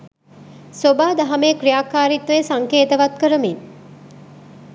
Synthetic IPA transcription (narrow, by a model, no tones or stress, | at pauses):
sobaːd̪aɦɐmekɾijaːkaːɾit̪ʋesaŋkeːt̪əʋat̪kəɾəmin